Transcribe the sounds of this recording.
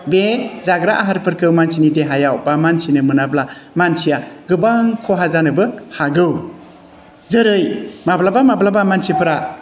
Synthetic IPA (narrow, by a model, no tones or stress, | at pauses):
bezaɡɾaʔaɦaɾpʰɯɾkɯwmansʰinideɦajawbamansʰinɯmɯnablamansʰijaɡɯbaŋkʰɔɦazanɯbɯhaɡɯw | zɯɾɯjmablabamablabamansʰipʰɯɾa